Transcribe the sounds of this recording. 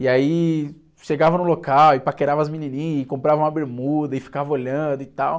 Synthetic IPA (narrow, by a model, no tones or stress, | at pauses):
iai | ʃeɡavɐnũlokawɪpakeɾavɐzmĩninĩɪkõmpɾavɐũɐabeɾmud̪ɐɪfi̥kavɐoʎɐ̃d̪ʊɪt̪aw